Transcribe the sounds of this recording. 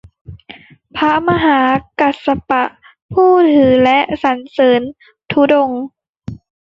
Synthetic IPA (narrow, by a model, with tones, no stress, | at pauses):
pʰa˦˥ma˧ɦaː˩˦ka˨˩t̪̚sa˧pa˨˩ʔ | pʰuː˥˩t̪ʰɯː˩˦lɛ˦˥ʔsa˨˦nsɤː˩˦n | t̪ʰu˦˥do˧ŋ